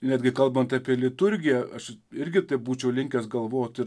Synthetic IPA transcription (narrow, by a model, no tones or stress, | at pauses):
nʲæːd̪ʲɡʲɪkɐlˠbɐnt̪ɑːpʲiɛlʲɪt̪ʊɾʲɡʲɪjɛɐʃɪɾʲɡʲɪt̪ɐɪbuːt͡ʃʲɛʊlʲɪŋʲkʲɛsɡɐlˠʋoːjoːt̪ʲɪ